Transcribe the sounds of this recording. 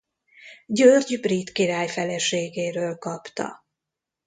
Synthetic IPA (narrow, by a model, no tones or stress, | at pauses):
ɟørɟbrit̪kiɾaːjfɛlɛʃeːɡeːɾøːlkɒpt̪ɒ̰